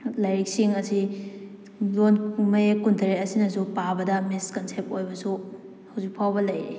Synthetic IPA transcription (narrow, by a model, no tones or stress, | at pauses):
lɐjɾik̚siŋɐsi | lonmɐjekundʰʱɐɾetɐsinɐsupabɐdɐmiskɐnsep̚tojbɐsu | hɐwzik̚pʰawbɐlɐjɾi